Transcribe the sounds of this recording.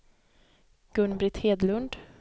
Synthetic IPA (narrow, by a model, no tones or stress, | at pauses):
ɡ̥ɵnbɾɪt̪heːd̪lɵnd̪